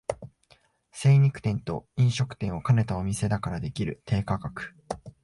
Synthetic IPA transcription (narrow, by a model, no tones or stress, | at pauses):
se̞ːɲ̟ikɯ̟̥t̪ẽ̞nt̪o̞̰ĩɰ̃ɕo̞kɯ̟̥t̪ẽ̞ɰ̃o̞kane̞t̪ao̞mʲise̞d̪akaɾad̪e̞kʲiɾɯ̟t̪ʰe̞ːkakakɯ̟̥